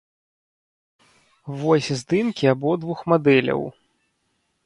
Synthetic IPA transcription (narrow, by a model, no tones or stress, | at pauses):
vɔsʲzd̪ɨnkʲiabɔd̪vuxmad̪ɛlʲɐ̰w